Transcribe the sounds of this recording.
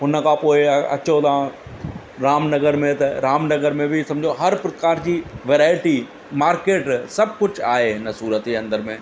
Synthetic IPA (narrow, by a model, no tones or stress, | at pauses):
ɦʊnə̆kʰãːpoːɪɐ̰t͡ɕot̪ãː | ɾaːmnɐɡəɾmẽt̪ɐɾaːmnɐɡəɾmẽbɪsɐ̃md͡ʑʱoɦɐɾpɾɐkaːɾd͡ʑiːʋeːɾaːɪʈi | maːɾkeːʈsɐb̚ʱkʊd͡ʑaːɦeɦɪnəsuːɾət̪iɐ̃nd̪əɾmẽː